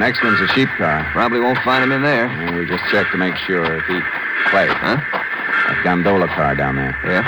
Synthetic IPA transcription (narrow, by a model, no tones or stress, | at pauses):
nɛkst̚wʌ̃nzɨʃip̚kʰɑɹpʰɹ̥ɑbəbliwõʊ̃ntfãɪ̃ndɨ̃mɨ̃nðə˞ɨ̃nwid͡ʒʌst͡ʃʰɛk̚tʰɨmeɪkʃʊɹɨfit̚ | pʰl̥eɪfʌ̰̃ | ʔa̰fɡ̥ʌ̃mdoʊlˠəkʰɑɹdãʊ̃nðə̰˞jæ